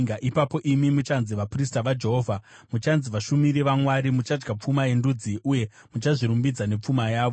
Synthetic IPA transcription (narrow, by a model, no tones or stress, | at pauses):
aʔipapo̞ʔimimut͡ʃanziʋapristaʋad͡ʒe̞ɦo̞ːvʱamut͡ʃanziʋaʃumiɾiʋamwaɾimut͡ʃad͡ʒɡap͡fumaje̞ndud͡ziʔuje̞ | mut͡ʃaʐiɾumbid͡zane̞p͡fumajaːʋo